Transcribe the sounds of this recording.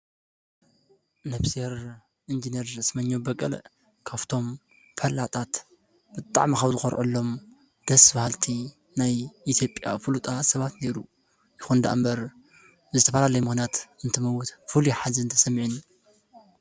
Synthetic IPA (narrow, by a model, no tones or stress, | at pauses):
nɐfseɾ | ʔind͡ʒinieɾzɨsmɐɲːobɐkʼːɐ̰l | kʰaβt̪ʰo̞m | fʰɐlːat̪ʼat̪ | b̥ɨt̪ʼa̰ʕmixɐβzɨxoɾʕṵlːo̞m | d̪̥ɐsbahɨlt̪ʰi | najʔit̪ʰjo̞pʼja̰fɨlut̪ʼasɐβat̪ne̞ɾu | jɪxund̪a̰ʔa̰mbɐɾ | zɨt̪ʰɐfɐlalɐjumɨxnat̪ɨnt̪ʰɨmɐwʊt̪fɨliħaziɨnt̪ʰɐ̥sɐmːʕin